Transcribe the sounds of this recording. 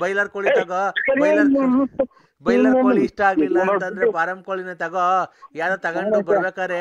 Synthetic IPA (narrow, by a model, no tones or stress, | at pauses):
bɐjlɐɾkoɭit̪ɐɡɔbɐlɐɾ | bɐjlɐɾkoɭiiʂʈɐaːɡlilːɐːnɐnd̪ɐɾepaːɾɐmb̚koɭinɐt̪ɐɡojaːd̪ɐt̪ɐɡɐʈubɐɾbeːkaːɾe